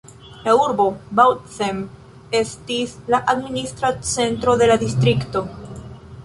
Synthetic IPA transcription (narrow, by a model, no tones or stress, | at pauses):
lauɾbo̞bawtsem | e̞stislaʔadministɾat͡se̞ntɾo̞d̪e̞lad̪istɾikto̞